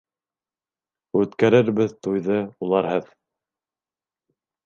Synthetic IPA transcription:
ʉt̪kæɾɘɾbɘðt̪ujðɤulˠɑɾɦɤð

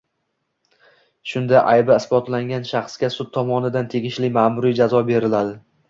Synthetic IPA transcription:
ʃʊnd̪aʔajbaɪsbɒt̪laŋɡʲanʃaχskʲasʊt̪̚ʰːɒmɒnɪd̪ant̪ʰe̞ɡʲɪʃlɪmaːmʊɾijd͡ʒazɒbe̞ɾɪlad̪ɪ

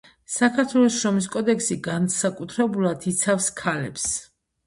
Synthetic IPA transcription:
sakʰaɾt̪ʰwɛlˠɔsʃɾɔmis̬kʼɔd̪ɛksiɡansakʼut̪ʰɾɛbulˠad̪it̪sʰafskʰalɛps

